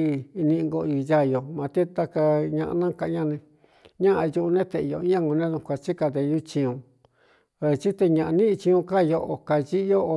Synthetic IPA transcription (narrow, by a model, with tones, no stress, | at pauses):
nĩ˧ŋɡo˧i˧ja˦˧jo˨mã˨˧t̪e˦t̪a˦ka˧ɲã˧ʔnã˦ka˧˦ɲã˦˧nẽ˧ | ɲã˦ʔa˧ju˧nẽ˦t̪e˧˨jo˨˦ã˦ŋɡõ˧nẽ˦ðũ˧˨˧kʷa˧t͡ʃi˦ka˧d̪e˧ju˦t͡ʃĩ˧ũ˧ | e˧˨˧t͡ʃi˦t̪e˧ɲã˧ʔã˧nĩ˦˧t͡ʃĩ˧ũ˧ka˦˧jo˧ʔo˧ka˧t͡ʃi˦o˦o˧